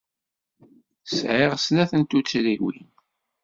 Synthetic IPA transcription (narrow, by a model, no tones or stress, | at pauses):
sʕɪʁsnæθənt̪ut͡sːɾiwḭn